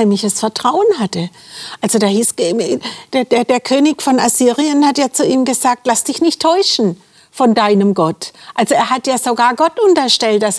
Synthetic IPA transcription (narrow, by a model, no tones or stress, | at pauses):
ɛmlɪçəsfɛɐtʁ̥aʊənɦatəʔalz̥odaːhiːsɡ̥ed̥deːɐdeːɐkʰøːnɪçfɔnaziːʁiənhatjaːt͡suʔiːmɡəzaːk̚tlasd̥ɪçnɪçtʰɔʏʃn̩ | fɔndaɪnəmɡɔtʔalzoeːɐɦatjaːzoɡaːɐɡɔtʔʊntɐʃtɛlt̚d̥as